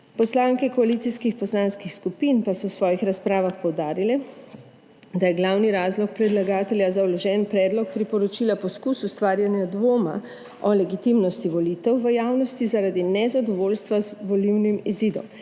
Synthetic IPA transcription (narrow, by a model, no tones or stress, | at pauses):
pɔslaːŋkɛkɔalit̪siskixpɔslanskixskupinpasɔwsʋɔːjixɾaspɾaːʋaxpɔwd̪aːɾilɛ | d̪ajɛɡlawniɾaːzlɔkpɾɛd̪laɡaːt̪ɛljazawlɔʒɛnpɾɛːd̪lɔk̚pɾipɔɾɔt͡ʃilapɔskusust̪ʋaːɾjanjad̪ʋoːma̰ | ɔlɛɡit̪imnɔst̪iʋɔlit̪ɛwʋəjaːwnɔst̪izaɾad̪inɛzad̪ɔʋoːlst̪ʋazʋɔliwnimiziːd̪ɔ̰m